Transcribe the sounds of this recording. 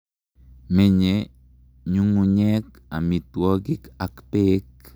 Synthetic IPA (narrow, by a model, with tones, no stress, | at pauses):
me˦ɲe˨ | ɲu˦ŋu˨ɲɛ˦k | a̰˨mi˨t̪wɔ˦ɡi˦ka˨kpe˦k̚